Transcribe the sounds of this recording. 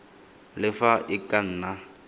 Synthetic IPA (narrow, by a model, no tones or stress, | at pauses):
lɪfaʔɪkʼan̩ːna